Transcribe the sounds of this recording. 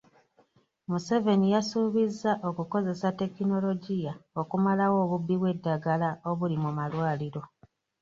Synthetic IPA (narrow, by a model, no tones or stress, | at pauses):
muse̞ve̞nijasuβizːaʔo̞kuko̞ze̞sate̞kino̞lo̞ɟijao̞kumalawo̞ːβubːiβwe̞dːaɡalao̞βulimumalwaːliɾo̞